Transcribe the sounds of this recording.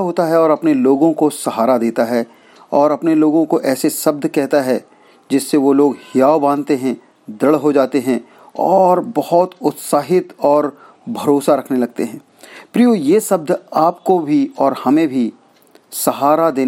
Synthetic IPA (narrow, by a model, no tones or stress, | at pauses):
ɦoːt̪aɦɛɔːɾɐpneloːɡõkosɐɦaːɾad̪eːt̪aɦɛ | ɔːɾɐpneloːɡõkoʔɛːsesɐb̚d̪ʱkɛɦt̪aɦɛ | d͡ʒɪsːeʋoloːɡhɪjaːobãːnt̪eɦɛ̃ | d̪ɐɽɦod͡ʒaːt̪eɦɛ̃ | ɔːɾbɐhɔt̪ʊt̪saːɦɪt̪ɔːɾ | bʱɐɾoːsaɾɐkʰnelɐɡ̚t̪eɦɛ̃ː | pɾijojeːsɐb̚d̪ʱaːpkobʱiɔːɾhɐmẽbʱi | sɐɦaːɾad̪eː